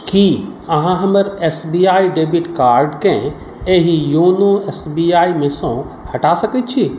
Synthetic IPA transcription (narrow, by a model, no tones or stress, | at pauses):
kiːɐɦãɦɐməɾeːsbiaːiɖeːbiʈkaːɾɖkẽ | eɦijoːnõeːsbiːaːimẽsõ | hɐʈasɐkət̪̚t͡ʃʰiː